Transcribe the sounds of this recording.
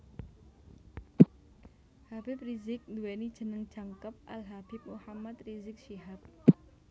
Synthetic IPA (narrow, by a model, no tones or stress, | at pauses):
habɪprizɪk̚nd̪uwenid̥ʒ̥ə̤nəŋd̥ʒ̥a̤ŋkəp̚ʔa̰lɦab̥ip̚muhamat̪rizɪk̚ʃiɦap̚